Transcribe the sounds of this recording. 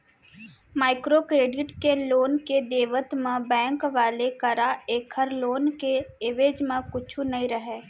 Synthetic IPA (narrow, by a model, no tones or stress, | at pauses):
maːɪkɾokɾeːɖɪʈkeloːnked̪eːʋət̪mẽbɛ̃ːŋkʋaːlekəɾaeːkʰəɾloːnkeɪʋeːd͡ʒmẽkʊt͡ʃʰunɐɦĩɾəɦeː